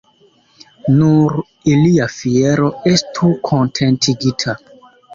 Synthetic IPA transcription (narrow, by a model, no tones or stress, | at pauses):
nuɾ | iliafieɾo̞estʰukʰo̞ntʰe̞ntʰiɡitʰa